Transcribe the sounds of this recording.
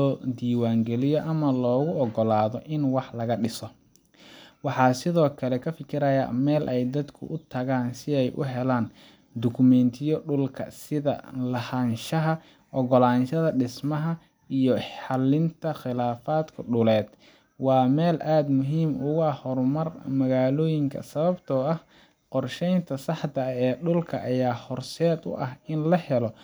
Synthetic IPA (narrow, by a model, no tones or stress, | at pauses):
lɔːd̪iːwaːŋɡɛlɪjɔʔɐmɐlɔːɣʊɔɡɔlaːðɔʔɪnwɑħlɐɣɐɖɪsɔ | wɑħɑːsɪðɔːkʰɐlɛkʰɐfɪkʰɪɾɐjɐ̰mɛːlʔɛjd̪ɐd̪kʰʊ̰ʔʊt̪ʰɐɣaːnsɪɛjʔʊ̰ɦɛlaːn | d̪ʊkʰʊmɛnt̪ʰɪjɔɖʊlkʰɐ̰sɪðɐ̰lɐhɐnʃɐɦɐ | ʔɔɣɔlaːnʃɐðɐɖɪsmɐɦɐ | ijɔħɑlːɪnt̪ʰɐχɪlaːfaːd̪kʰʊɖʊlɛːd̪̥ | wɑːmɛːlʔaːd̪mʊɦiːmʊɣʊɐhɔrmɐrmɐɣaːlɔːjɪŋkʰɐ̰sɐβɐbt̪ʰɔɐh | qɔrʃɛjnt̪ʰɐsɑħt̪ɐɛːɖʊlkʰɐ̰ʔɐjaːhɔrsɛːd̪ʊ̰ʔɐhɪnlɐhɛlɔ